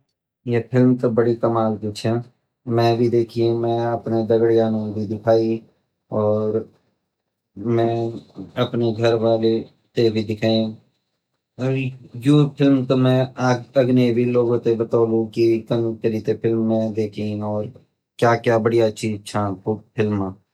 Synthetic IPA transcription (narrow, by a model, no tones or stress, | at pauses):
jeːpʰɪlmt̪obəɽikəmaːɡd̪ʊt͡ʃʰɛ | mɛ̃ːbʱid̪eːkʰiẽmɛ̃ːəpned̪əɡɽjaːnõbʱid̪ɪkʰaːi | ɔːɾ | mɛ̃ːəpneɡʱəɾʋaːle | t̪ebʱiːd̪ɪkʰaːẽ | ɔɾjoːpʰɪlmt̪omɛ̃ːaːɡəɡneːbʱiːloːɡõːt̪ebət̪aːlũːkikənkəɾiːt̪epʰɪlmːɛ̃ːd̪eːkʰiɔːɾ | kjaːkjaːbəɽijaʃiːzt͡ʃʰaːkʊpʰɪlmaː